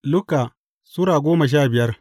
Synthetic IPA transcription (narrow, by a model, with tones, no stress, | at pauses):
lʊ˦kaː˨ | sʊ˦ɽaː˨ɡʷoː˦mɐ˨ʃ̬aː˦˨bɪ˨jɐ˦r